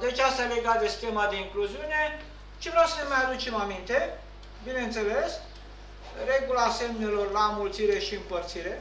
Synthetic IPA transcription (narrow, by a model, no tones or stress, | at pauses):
d̪et͡ʃast̪ajeleɡat̪̚d̪e̞si̥t̪emad̪e̞iŋkluziune̞ | t͡ʃelasemajad̪ut͡ʃe̞mamint̪e̞ | bine̞nt̪se̞le̞s | re̞ɡulase̞mne̞lo̞rlamult̪siɾe̞ʃiɨmpərt̪siɾe̞